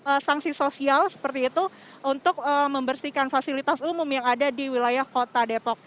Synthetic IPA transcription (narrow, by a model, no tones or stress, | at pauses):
əsaŋsisosialsə̥pərt̪iːt̪u | unt̪ʊk̚əməmbərsikanfasilit̪asumʊmjaŋadadiwilajahkot̪adepɔk̚